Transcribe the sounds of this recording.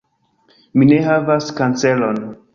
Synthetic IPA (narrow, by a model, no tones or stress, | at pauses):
mine̞ɦavaskant͡se̞lo̞n